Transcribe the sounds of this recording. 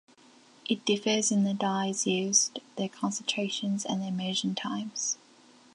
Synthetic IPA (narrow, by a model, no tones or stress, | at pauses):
ʔɪt̚d̥ɪfəzɪ̃nðədaɪzjʉːz̥ðəkʰɒ̃nsə̃ntʰɹ̥eɪʃə̃nzə̰̃nðəmɜːˑʒə̃ntʰãɪ̃mz̥